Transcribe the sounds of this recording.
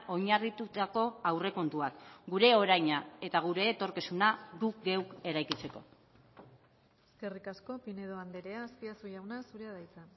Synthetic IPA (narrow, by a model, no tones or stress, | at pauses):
ʔo̞jɲarit̪ut̪ako̞awre̞ko̞nt̪uakɡuɾe̞o̞ɾajɲae̞t̪aɣ̞uɾe̞ːt̪o̞ɾkisunaɡukɡe̞wke̞ɾajkit͡se̞ko̞̰ | eske̞rikasko̞pine̞ðoand̪eɾeaːspiasuʝawnasuɾeaðajt͡sa